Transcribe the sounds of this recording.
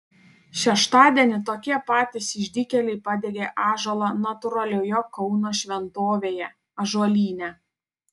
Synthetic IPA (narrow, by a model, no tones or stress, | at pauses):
ʃʲɛʃt̪ɑːd̪ʲiɛnʲɪt̪oːkʲiɛpɑːt̪ʲɪsɪʒʲd̪ʲɪkʲɛlʲɛɪpɑd̪ʲɛɡʲeːʔɑːʒolˠɐnɐt̪ʊɾɐlʲoːjokɔʊnoːʃʲʋʲɛnt̪oːʋʲeːjɛ | ɐʒuɔlʲiːnʲɛ